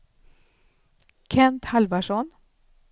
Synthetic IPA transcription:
kʰɛnt̪halvaʂɔn

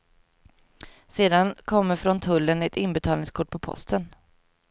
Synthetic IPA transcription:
seːd̪ankʰɔmːəɾfɾɔnt̪ʰɵlːənɛt̪ɪnbɛt̪ʰɑːlnɪŋskʰʊʈ̚ːpʰɔpʰɔ̰st̪ən

